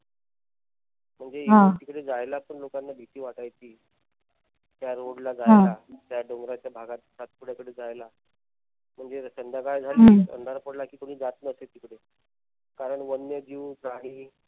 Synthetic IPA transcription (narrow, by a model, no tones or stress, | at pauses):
m̤əɳd͡zeɦãt̪iːkɽed͡zajlapəɳlokanːabʱit̪iːʋaʈajtiː | t̪jaɾoɽlad͡zaɦãlat̪jaɖoŋɡɾat͡ɕjabʱaɡat̪sat̪̚puɽjakəɽed͡zajla | m̤əɳd͡zeɾəsənd̪ʱjakajd͡zʱaliə̰nd̪ʱaɾpəɽlakiːkoɽ̃iːd͡zat̪nəset̪iːkɽe | kaɾəɳʋənjəd͡ʑiːʋpɾaɽ̃iː